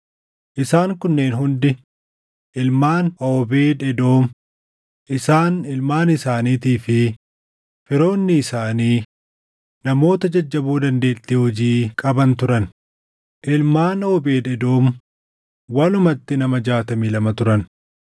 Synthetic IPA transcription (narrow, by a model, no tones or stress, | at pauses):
ʔɪsaːŋkʊnːe̞ːnɦʊnd̪ɪ | ʔɪlmaːnɐbeːᶑɛd̪o̞ːm | ʔɪsaːnɪlmaːnɪsaːniːt̪iːfɪ | fɪɾo̞ːnːɪːsaːniː | nɐmo̞ːt̪ɐd͡ʒɐd͡ʒːɐbuːd̪ɐnd̪e̞ːt̪ːiːhɔd͡ʒiːkʼɐbɐnt̪ʊɾɐn | ʔɪlmaːnɐːbeːᶑɛd̪o̞ːm | wɐlʊmɐt̪ːɪnɐmɐd͡ʒaːt̪ɐmiːlɐmɐt̪ʊɾɐn